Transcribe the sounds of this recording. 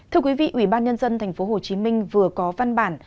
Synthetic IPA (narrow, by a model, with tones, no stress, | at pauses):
t̪ɨ˧əkwi˨˦vḭ˧˨ʔwi˧˩ɓaː˧nɲə˧nzə˧nt̪ʰɛ˨˩jŋ̟fo˨˦ɦo˨˩t͡ɕi˨˦mï˧ŋ̟vɨ˨˩əkɔ˨˦va˧nɓaː˧˩n